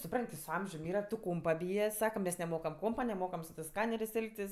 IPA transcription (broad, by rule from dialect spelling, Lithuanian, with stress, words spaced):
sʊˈprɐnʲtʲ tʲɪ sʊ ˈɐmʲʒʲʊm ˈiːrɐ tʊ ˈkoːmpɐ ˈbʲiːjɛ ˈsɑːkɐ mʲɛs nʲɛˈmoːkɐm ˈkoːmpɐ nʲɛˈmoːkɐm sʊ tɜs ˈskɑːnʲɛrʲeːsʲ ˈɛlˠktʲɪs